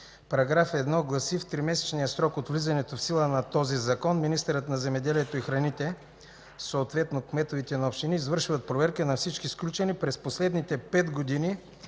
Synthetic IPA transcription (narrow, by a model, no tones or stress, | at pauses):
pɐɾɐɡɾafɛd̪nɔɡlˠɐsift̪ɾimɛsɛ̥t͡ʃnijəsɾɔkot̪vlizɐnɛt̪ofsilˠənɐt̪ɔzizɐkɔnminist̪ɛɾət̪nɐzɛmɛd̪ɛliɛt̪oixɾɐnit̪ɛ | soːt̪vɛt̪nokmɛt̪ovit̪ɛnɐopʃt̪iniːzvɤəɾʃivɐt̪̚pɾovɛɾkinɐfsit͡ʃkisklʲut͡ʃɛnipɾɛsposlɛd̪nit̪ɛpɛt̪ɡod̪ini